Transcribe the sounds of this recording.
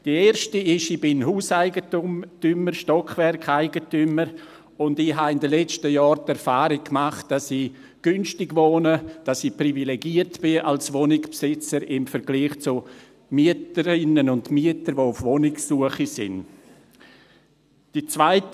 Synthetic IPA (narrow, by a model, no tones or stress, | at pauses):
d̥ieːɾʃtiɪʃib̥ɪnɦuːsaɪɡətumtyməɾʃtɔkχvɛɾkaɪɡətyməɾ | ʊndɪɦaɪndəlɛt͡ʃtəjɔːɾtɛɾfaːɾɪk̚kːmaχt̚d̥asɪ | ɡ̥ynʃtɪɡvoːnəd̥asɪprivileɡiətb̥ɪʔalsʋonɪkpsɪt͡səɾɪmfəɾɡliːχt͡su | miətəɾɪnənʊntmiətəɾvoʊfʋonɪksːuəχisɪ̰n | d̥it͡svaɪt